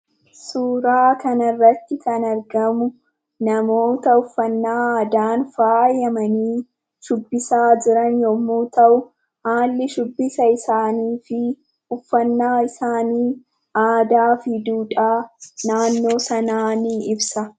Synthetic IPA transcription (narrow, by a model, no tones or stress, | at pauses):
suːɾaːkɐnɐrːɐt̪ːɪk̪ɐnɐɾɡɐmʊ | nɐmo̞ːt̪ɐʊfːɐnːaːaːd̪aːnfaːjɐmɐniː | ʃʊbːɪsaːd͡ʒɪɾɐnjɔmːuːt̪ɐʔʊ | haːlːɪʃʊbːɪsɐɪsaːniːfɪ | ʊfːɐnːaːɪsaːniː | ʔaːd̪aːfɪd̪uːᶑʼaːnaːnːo̞ːsɐnaːniːɪbsɐ